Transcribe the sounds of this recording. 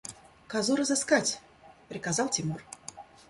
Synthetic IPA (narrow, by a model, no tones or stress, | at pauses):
kazuɾɐzɨskat͡sʲ | pɾʲɨkazawtʲimur